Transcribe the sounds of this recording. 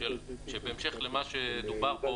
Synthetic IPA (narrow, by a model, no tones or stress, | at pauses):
elʃebeemʃeχlemaʃed̪ubaʁpo